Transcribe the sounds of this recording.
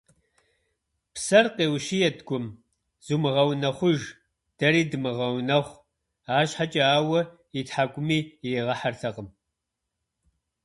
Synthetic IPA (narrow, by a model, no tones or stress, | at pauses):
psɐrqeːwʃiːjɛdɡʷʊm | z̥umɨʁɐwnɐχʷʊʒ | d̥ɐɾiːdɨmɨʁɐwnɐχʷ | aːɕħat͡ʃʼɐaːwɐ | itħaːkʷʼʊmiːeːʁɐħartʰɐqʼəm